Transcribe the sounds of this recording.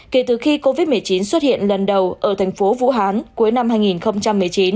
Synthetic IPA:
ke˧˩t̪ɨ˨˩xi˧ko˧vi˦˥t̚mɨ˨˩əjt͡ɕi˨˦nswə˦˥t̚hḭ˧˨ənlə˨˩nɗə˨˩wʔəː˧˩t̪ʰŋ̟fo˨˦vṵ˧˥ɦaː˨˦nku˨˦əjna˧mhaː˧jŋi˨˩nxə˧wŋ͡mt͡ɕa˧mːɨ˨˩əjt͡ɕi˨˦n

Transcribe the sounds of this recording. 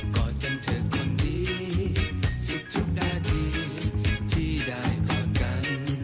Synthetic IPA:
kɔ˨˧˩t͡ɕɔ˧mt̪ʰɨ˨˩k̚kə˧nɗi˧˦ | sɨ˧p̚t͡ɕu˦˥k̚ɗaː˧t̪ʰi˧ | t̪ʰi˧ɗaː˧˩jkɔ˧˦ka˧˦n

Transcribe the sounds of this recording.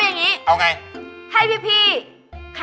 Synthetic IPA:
ja˧˩ŋɲi˦˥ʔa˧wŋa˧jt̪ʰa˧jpʰiː˧pʰiː˧˩ | kʰ

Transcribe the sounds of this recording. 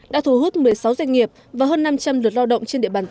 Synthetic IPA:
ɗa̰ː˧˥t̪ʰu˧˩hu˦˥t̚mɨ˨˩əjsa˨˦wza˧jŋ̟ŋi˨˩əp̚ | vaː˨˩ɦəː˧nːa˧mt͡ɕa˧mlɨ˨˩ət̚laː˧wɗə̰˧˨ŋ͡mt͡ɕe˧nɗḭ˧˨ɓaː˧˩

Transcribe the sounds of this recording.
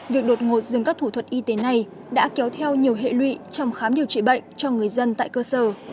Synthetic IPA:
vi˨˩ək̚ɗo˨˩t̚ŋo˨˩t̚zɨ˨˩ŋkaː˦˥k̚t̪ʰu˧˩t̪ʰə˨˩t̚ʔi˧t̪e˨˦na˧˩j | ɗa̰ː˧˥kɛ˨˦wt̪ʰɛ˧wɲi˨˩əwɦḛ˧˨lwḭ˧˨t͡ɕɔ˧wŋ͡mxaː˨˦mɗi˨˩əwt͡ɕḭ˧˨ɓə̰˧˨jŋ̟t͡ɕɔ˧ŋɨ˨˩əjzə˧nt̪a̰ː˧˨jkəː˧səː˧˩

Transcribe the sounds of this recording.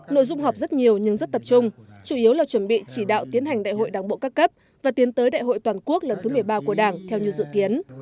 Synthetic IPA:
no̰˧˨jzʊ˧ŋ͡mɦɔ˨˩wk͡p̚zə˦˥t̚ɲi˨˩əwɲɨ˧ŋzə˦˥t̚t̪ə˨˩p̚t͡ɕʊ˧ŋ͡m | t͡ɕu˧˩ʔi˨˦əwlaː˨˩t͡ɕwə˧˩nɓḭ˧˨t͡ɕi˧˩ɗa̰ː˧˨wt̪i˨˦ənɦa˨˩jŋ̟ɗa̰ː˧˨jɦo̰˧˨jɗaː˧˩ŋɓo̰˧˨kaː˦˥kːə˦˥p̚ | vaː˨˩t̪i˨˦ənt̪əː˨˦jɗa̰ː˧˨jɦo̰˧˨jt̪waː˨˩nku˦˥ək̚lə˨˩nt̪ʰɨ˨˦mɨ˨˩əjɓaː˧ku˧˩əɗaː˧˩ŋt̪ʰɛ˧wɲɨ˧wzɨ̰˧˨ki˨˦ən

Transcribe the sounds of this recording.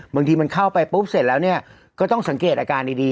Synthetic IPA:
bɯ˧ŋt̪iː˧ma˧nkʰa˥˩wpa˧jpuː˦˥p̚se˨˩t̪̚lɛː˦˥wni˥˩ɐ | kɔː˥˩t̪ɔ˥˩ŋsa˩˦ŋkeː˨˩t̪̚ʔaː˧kaː˧ndiː˧diː˧

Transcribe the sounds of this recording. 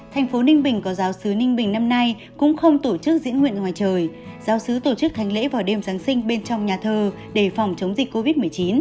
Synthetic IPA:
t̪ʰa˨˩jŋ̟fo˨˦nï˧ŋɓï˨˩ŋ̟kɔ˨˦zaː˨˦wsɨ˨˦nï˧ŋ̟ɓï˨˩ŋna˧mna˧j | kʊ̰˧˥ŋ͡mxə˧wŋ͡mt̪o˧˩t͡ɕɨ˦˥k̚zḭ˧˥ənŋw̰ḭ˧˨ənŋwaː˨˩jt͡ɕəː˨˩j | zaː˨˦wsɨ˨˦t̪o˧˩t͡ɕɨ˦˥k̚t̪ʰa˨˦jŋ̟lḛ˧˥vaː˨˩wɗe˧˩mzaː˨˦ŋsï˧ŋ̟ɓe˧nt͡ɕɔ˧wŋ͡mɲaː˨˩t̪ʰəː˧˩ | ɗe˧˩fɔ˨˩wŋ͡mt͡ɕə˨˦wŋ͡mzï˨˩k̟̚ko˧vi˦˥t̚mɨ˨˩əjt͡ɕi˨˦n

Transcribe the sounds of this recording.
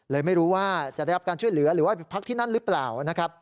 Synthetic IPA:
lɤː˧jma˥˩jɾuː˦˥waː˥˩t͡ɕa˨ʔda˥˩ɾa˦˥kaː˧nt͡ɕʰu˥˩jlɯ˩˦ɐɾɯː˩˦waː˥˩pe˧pʰa˦˥k̚t̪ʰiː˥˩na˥˩nɾɯː˦˥plaː˨˩wna˦˥kʰa˦˥p̚

